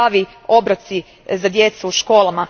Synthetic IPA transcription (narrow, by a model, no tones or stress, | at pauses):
aʋi | o̞bɾat̪si | zad̪je̞t̪suːʃko̞ːlˠama